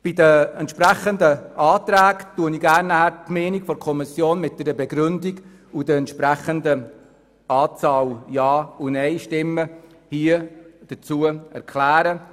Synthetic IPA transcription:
b̥id̪əɛnt̪ʃpɾæχəndəɑːtɾæːktuəniɡæːrnːæhæɾtmɛːnikfɔɾkʰɔmisjoːnmɪt̚d̥̪ɛɾəbɛɡɾʏndiɡ | ud̥əɛntʃpɾæχəndə | ɑːt͡sɑːljɑːunɛɪʃtɪmːə | hiəd̥ət͡suəɛ̰ɾkʰlæːɾə

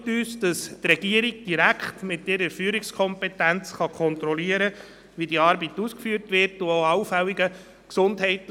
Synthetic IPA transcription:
tyːsd̥ɑstrɛɡ̥iəɾiɡd̥iɾækχtmɪtɪɾəɾfyːɾɪkskʰɔmpɛtænt͡sχɑkʰɔnt̪ɾɔliəɾə | ʋidiɑːɾbituːskfyːɾtʋɪɾtʊoɑʊfæwiɡə | ksʊndɦɛɪt

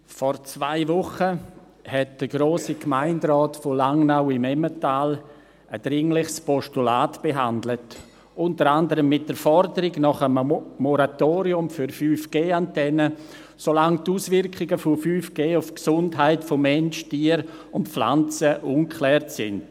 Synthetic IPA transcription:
fɔɾt͡svaɪvʊχə | hɛt̚d̥əɡɾoːsikmaɪndɾɔːtfolaŋnaʊɪmɛmətaːl | ʔəd̥ɾɪŋlɪχspɔʃtulaːtb̥eɦandlət | ʊntəɾandəɾəmːɪt̚d̥əɾfɔɾdəɾɪɡnɔχəmmːɔɾatoːɾiʊmfyɾfyːfɡ̥eːantɛnə | solaŋtuːsvɪɾkʰɪɡəfofyːfɡ̥eːʊfksʊndɦaɪtfomɛnʃtiːəɾ | ʊntpfla̰nt͡səʔuːnkʰlɛːɾtsɪ̰nd̥

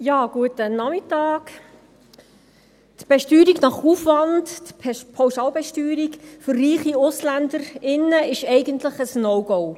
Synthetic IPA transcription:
jɑːɡ̥uətənɑmɪtɑːk | tb̥ɛʃtyːɾiɡnɑχuːfʋɑndtpʰawʃɑːlbɛʃtyːɾikfʏrːiːχiʊslænd̪əɾɪnːəɪʃɛɪɡənt̪ləχəsnɔʊɡɔʊ

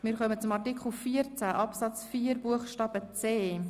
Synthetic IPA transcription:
mɪːɾχœmət͡sʊmɑɹtikχl̩fiːəɾt͡sæʔɑpsɑt͡sfiːəɾbuəχʃtɑːb̥ət͡seː

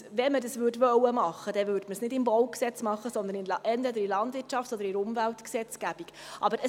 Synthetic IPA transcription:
ʋɛmədɑsvʉdʋœwːəmɑχːəd̥ɛvʉːɾdməsnɪdɪmbɔwksɛt͡smɑχːəsɔnd̪ənɪlʔɛntvɛd̪əɾilɑndvɪtt͡ʃɑftɔdəɾɪʊmvæltksɛt͡sɡ̥æb̥iɡ̥ʔɑbəɾə

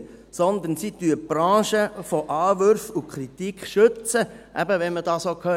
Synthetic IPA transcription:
sɔnd̪ənsit̪yəb̥ɾɑ̃ːʃəfɔʔɑːʋøɾfukʰɾit̪ikχʃɵt͡sə | ʔæ̰bəʋɛnmədɑːsoːkʰœː

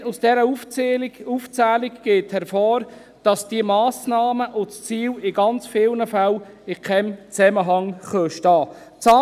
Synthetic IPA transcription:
usd̥ɛɾə | uːft͡sæːlɪɡɡ̥eːthɛɾfɔːɾ | d̥ɑsd̥iəmɑːsnɑːməʔʊst͡siːlɪɡɑnt͡sfɪlnəfæl | ɪkʰɛmt͡sɛməɦɑŋχœːʃtɑː | t͡sɑː

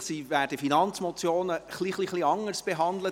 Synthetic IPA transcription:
siːvæːɾd̥əfinɑnt͡smɔt͡sjoːnəχliχliχliɑŋəɾsb̥eɦɑnd̪lə

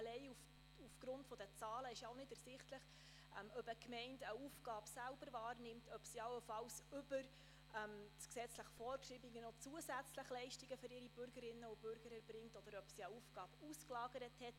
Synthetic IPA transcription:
əlɛɪuf | ufɡ̥ɾʊntfɔd̥̪ət͡sɑːləɪʃjaʊnɪdæsɪχtləχ | ɛmœbəkmɛɪndəufɡ̥ɑːb̥sælbəɾvɑːrnɪmtʰœpsiɑwəfɑlsʏbəɾ | ɛmksɛt͡sləχfɔːɾkʃibiɡənɔt͡suəsæt͡sləχlɛɪʃtiɡəfʏɾɪɾib̥ʏɾɡəɾɪnːəʊb̥ʏɾɡ̥əɾəɾbɾɪŋtɔd̥̪əɾœpsiəufɡ̥ɑːb̥usklɑːɡəɾəthɛt

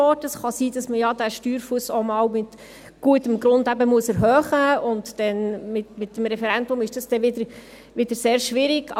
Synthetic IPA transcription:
ɔtəsχɑsiːd̥ɑsməjɑd̥æːʃtyːɾfuəsomɑːwmɪt | ɡ̥uətəmɡɾʊndæbəmuəsɛɾɦœːχəʊntd̥ɛnmɪtmɪtːəmɾɛfɛɾændʊmɪʃd̥ɑsd̥ɛʋɪd̪əɾ | ʋɪd̥əɾseːɾʃʋɪɾɪɡ̥ɑ

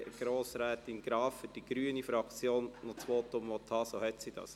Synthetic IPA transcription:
ɡ̥ɾoːsɾæːt̪ɪnɡ̥ɾɑːffʏd̥iɡ̥ɾyːənifɾɑkt͡sjoːnnɔt͡sʋoːt̪ʊmʋɔt̪ʰhɑːsoːhɛt̪sid̥ɑ̰s

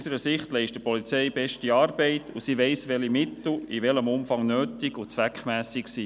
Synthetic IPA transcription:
səɾəsɪχtlɛɪʃtd̥əpɔlit͡sɛɪbɛʃtiɑːɾb̥ɛɪtusiʋɛɪsʋɛlimɪtl̩iʋɛləmʊmfɑŋnøːtɪɡut͡sʋækχmæːsɪksiː

